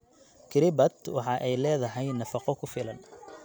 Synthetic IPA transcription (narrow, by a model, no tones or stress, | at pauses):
kʰɪɾɪbɐt̪wɑħɑːʔɛjlɛːðɐɦɛjnɐfɑqɔkʰʊfɪlɐn